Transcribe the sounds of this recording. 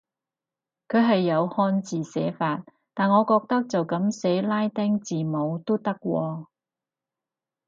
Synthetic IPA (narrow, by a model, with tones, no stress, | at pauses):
kʰɵ˨˧ɥɦɐ˨jːɐ˨˧whɔː˧˥nt͡siː˨sɛ̰ː˨˥faː˧t̚ | t̪aː˨nŋɔː˨˧kɔː˧k̚t̪ɐ˥k̚t͡sɐ˨wkɐ˨˥msɛ˨˥laː˥jt̪ɛ˥ŋt͡siː˨mo˨˧wt̪o˥t̪ɐ˥k̚wɔː˧